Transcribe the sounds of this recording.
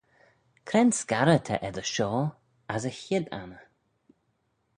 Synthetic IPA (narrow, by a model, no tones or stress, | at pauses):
kʰɾɛnskaɾət̪ʰə̰ʔɛðəʃɔː | asəçɪd̪a̰nə